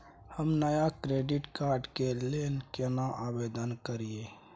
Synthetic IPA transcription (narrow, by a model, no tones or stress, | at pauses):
həmnəjakɾeɖɪʈkaːɾɖkelenkenaʔabed̪ənkəɾie